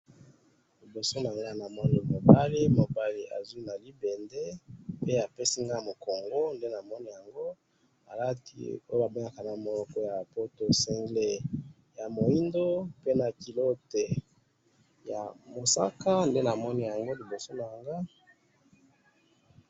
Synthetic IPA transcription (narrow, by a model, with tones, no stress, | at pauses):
li˨bo˨so˦na˨ŋɡa˦˨na˨mɔ˦no˨mo˨ba˦li˦mo˨ba˦li˨ʔa̰˨zu˦na˨li˦be˨nde˦pe˦a˨pe˦si˦ŋɡa˦˨mo˨ko˨ŋɡo˦nde˦na˨mɔ˦ni˦ja˨ŋɡo˦ | a̰˨la˦tḭ˦o˦jo˦a˨bo˦ŋa˨ka˨na˨mo˨lɔ˨kɔ˦ja˨po˦to˨sɛ˦ŋɡle˨ | ja˨mo˨i˦ndo˦pe˦na˨ki˨lo˦te˨ | ja˨mo˨sa̰˦ka˦nde˦na˨mɔ˦ni˦ja˨ŋɡo˦li˨bo˨so˦na˨ŋɡa˦